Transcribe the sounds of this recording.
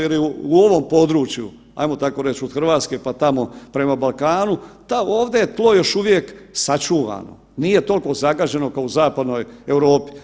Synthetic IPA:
jeliuuo̞ʋo̞mpo̞d̪ɾuːt͡ʃjṵ | a̰jmo̞t̪ako̞ɾe̞t͡ɕod̪xr̩ʋaːt̪skepat̪amo̞pɾe̞mabalˠkaːnut̪ao̞ːʋd̪ejet̪lˠo̞jo̞ʃuʋje̞ksat͡ʃuːʋa̰no̞̰ | nije̞t̪o̞lʲko̞zaɡaːd͡ʑeno̞kauzaːpad̪no̞jewɾo̞ːpi̥

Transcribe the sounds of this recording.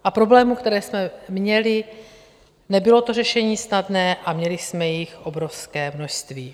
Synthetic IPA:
ʔapɾoblɛːmukt̪ɛɾɛːsmɛmɲɛlɪ | nɛbɪlo̞t̪o̞rɛʃɛɲiːsnadnɛːʔamɲɛlɪsmɛjɪxʔo̞bɾo̞fskɛːmno̞ʃst̪viː

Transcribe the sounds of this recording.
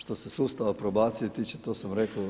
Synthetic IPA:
ʃt̪o̞sesust̪aʋapɾobaːt̪sijet̪it͡ʃet̪oːsamɾekoo

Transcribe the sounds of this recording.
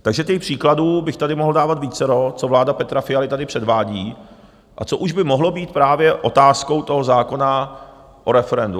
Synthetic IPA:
t̪aɡʒɛt̪ɛxpr̝̥iːkladuːbɪxt̪adɪmo̞ɦl̩daːvat̪viːt͡sɛɾo̞t͡so̞vlaːdapɛt̪ɾafɪjalɪt̪adɪpr̥ɛdvaːɟiː | ʔat͡soʔuʒbɪmoɦlo̞biːt̪̚pɾaːvjɛʔo̞t̪aːsko̞wt̪o̞ɦozaːko̞na | ʔo̞ɾɛfɛɾɛndu

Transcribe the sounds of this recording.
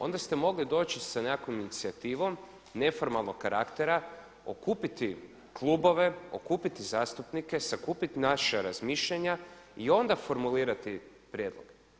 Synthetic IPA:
o̞̰nd̪ast̪e̞mo̞ɡlid̪o̞ːt͡ʃisanekominit̪siat̪iːʋo̞m | ne̞fo̞ɾmalˠnokkːaɾʔakt̪eɾa | o̞̰kuːpit̪i | klˠubo̞ʋe̞o̰kuːpit̪izaːst̪upnike̞sakuːpit̪inaʃaɾazmiːʃʎaɲaio̞nd̪afo̞ɾmuliːɾat̪i | pɾjed̪lˠo̰ɡ̥

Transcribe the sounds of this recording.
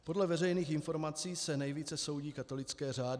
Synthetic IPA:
po̞dlɛvɛrɛjniːxɪnfo̞ɾmat͡siːsɛnɛjviːt͡sɛso̞wɟiːkat̪o̞lɪt͡skɛːraːd

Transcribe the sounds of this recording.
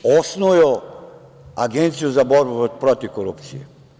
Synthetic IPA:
osnojo | aɡent̪sijuzaboɾbupɾot̪ikoɾupt̪sijḛ

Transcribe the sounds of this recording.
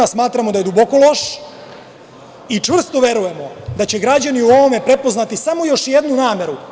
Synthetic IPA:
asmaːt̪ɾamod̪aje̞d̪ubo̞ko̞lˠo̞ʃ | it͡ʂʋr̩st̪oʋe̞ɾuje̞mo̞d̪at͡ɕe̞ɡɾad͡ʑaniuoʋome̞pɾe̞po̞znat̪isamo̞jo̞ʃjed̪nunaːme̞ɾu

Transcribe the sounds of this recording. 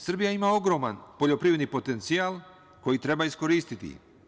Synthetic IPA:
sr̩bijaimao̞ɡɾo̞ːmanpo̞ʎo̞pɾiːʋed̪nipo̞t̪e̞nt̪sijalˠ | ko̞jit̪ɾe̞baisko̞ɾiːst̪it̪ḭ

